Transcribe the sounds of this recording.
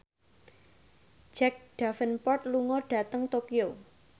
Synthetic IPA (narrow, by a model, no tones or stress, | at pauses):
d͡ʒɛk̚ɖ̥afənpɔrt̪̚luŋɔɖ̥ä̤t̪əŋt̪okio